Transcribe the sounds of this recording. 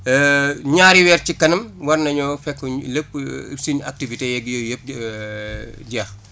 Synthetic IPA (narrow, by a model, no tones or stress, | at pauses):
ɲaːɾiwɛːrcikɐnɐmwɐrnɐɲɔfɛkːləp̚ːsiɲak̚tivitejɛɡjojəp̚ | ɟɛːx